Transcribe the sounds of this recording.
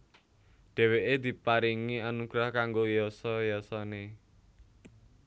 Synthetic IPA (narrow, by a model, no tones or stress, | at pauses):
ɖ̥ɛ̤weʔed̪̥i̤paɾiŋianuɡ̥ɾahkaŋɡojɔsɔjɔsɔne